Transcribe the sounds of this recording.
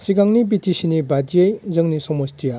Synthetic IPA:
siɡaŋnibitʰisinibad͡ʒiejzɯŋnisɔmɔstija

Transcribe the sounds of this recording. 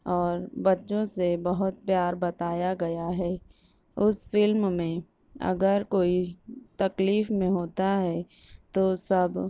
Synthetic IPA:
ɔːɾbɐtːt͡ʃõsebɐɦʊt̪̚pjaːɾbɐt̪aːjaɡɐjaɦɛː | ʊsfɪlmmẽ | ɐ̰ɡəɾkoːit̪ɐkliːfmẽɦoːt̪aɦɛː | t̪oːsɐb

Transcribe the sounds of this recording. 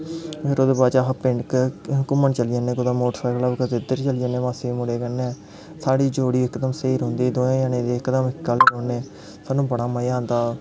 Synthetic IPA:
pʰɪɾoːd̪eːbaːt͡ʃaːɦapɪɳɖkkʊməɳt͡ʃəlɪjaːnẽːkod̪ãːmoːʈsaːklaːbkət̪eːd̪əɾt͡ʃəlɪjaːnẽːmaːseːmʊɽeːkənːẽː | saːɽiːd͡ʒoːɽiːɪkd̪əmseiɾɦõːnd̪iːd̪oːãːjaːnẽːd̪eːɪkd̪əmɪkːaːleːɾõːnːeː | saːnũːbəɽaːmajãːnd̪aː

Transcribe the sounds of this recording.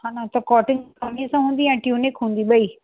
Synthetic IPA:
hãːnãːt̪okɔːʈɪnkamĩːəsãːɦʊ̃nd̪iːɛ̃ːʈjuːnɪkɦʊ̃nd̪iːbəiː

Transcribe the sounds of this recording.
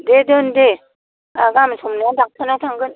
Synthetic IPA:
dedɯnde | aɡamsʰɔmnajadak̚tʰanatʰaŋɡɯn

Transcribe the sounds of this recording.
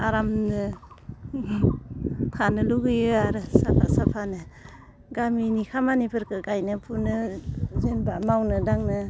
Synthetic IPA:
aɾamnɯ | tʰanɯluɡɯjɯaɾɯsapʰa̰sapʰanɯ | ɡaminikʰamanipʰɯɾkɯɡajnɯpʰunɯzenbamawnɯdaŋnɯ

